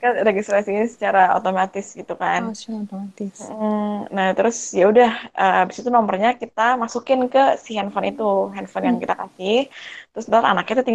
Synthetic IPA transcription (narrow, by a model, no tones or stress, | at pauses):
kaɾeɡist̪ɾasinisə̥t͡ʃaɾao̰t̪omat̪ɪsɡit̪ukant̪omat̪ɪs̩ | naht̪əɾʊsjaudahəːbisat̪unɔmərɲakit̪amasukɪnkəsihɛnfɔnit̪uɦɛnfɔnjaŋkit̪akasɪht̪əɾʊsnara̰nakat̪ut̪iŋ